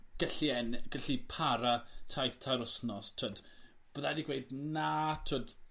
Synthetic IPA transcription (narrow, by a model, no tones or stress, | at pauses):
ɡ̥əɬiɛnɡ̥əɬipʰaɾatʰajθtʰaɾʊsnɔstʰoːd̥ | b̥əðadiɡweɨdnatʰoːd̥